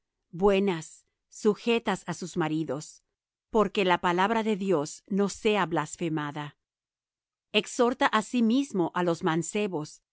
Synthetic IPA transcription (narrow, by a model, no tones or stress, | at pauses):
bwe̞nasː | uxe̞t̪asasuzmaɾiðo̞s | po̞ɾkelapalaβɾaðe̞ðjo̞sno̞se̞aβlasfe̞maða | ekso̞ɾt̪aʔasimizmo̞ʔalo̞zmanse̞βo̞s